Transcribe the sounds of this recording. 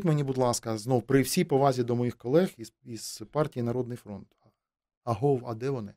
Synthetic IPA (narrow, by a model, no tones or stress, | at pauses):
t̪ʲmenʲibʊd̪lˠɑskɐznɔwpɾɪwsʲijpɔʋɑzʲid̪ɔmɔjixkɔlˠɛxiz̥pɑrtʲijinɐɾɔd̪nɪjfɾɔnt̪ | ɐɦɔwɐd̪ɛʋɔnɪ